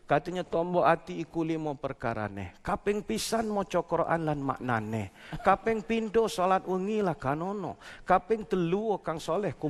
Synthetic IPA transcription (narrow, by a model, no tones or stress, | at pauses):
kat̪iɲat̪ɔmbɔʔat̪iːkulimɔpərka̰ɾa̰nɛ̰hkapɪŋpisanmɔt͡ʃɔkɾoʔa̰nlanma̰ʔna̰nɛhkapɛŋpindɔsolat̪̚wəŋilahkanɔnɔ̰kapɪŋt̪əluokaŋsolɛhku